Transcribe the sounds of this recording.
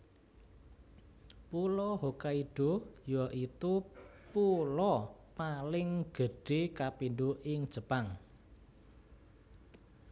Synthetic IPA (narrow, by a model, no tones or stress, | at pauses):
pulɔɦokaiɖ̥ojɔʔit̪upulɔpalɪŋɡ̥ə̤ɖ̥ekapinɖuʔɪŋd̥ʒ̥ə̤paŋ